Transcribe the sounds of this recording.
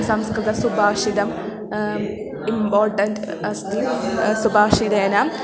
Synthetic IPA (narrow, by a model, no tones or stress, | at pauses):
sɐmskɾɨd̪ɐsubaːʂid̪ɐm | impoːɾʈɐnd | ɐst̪isubaːkʂid̪eːnaːm